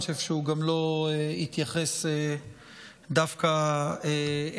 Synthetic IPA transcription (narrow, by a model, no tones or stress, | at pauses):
ʃevʃeuɡamlo̞eit̪jaχese | d̪afkae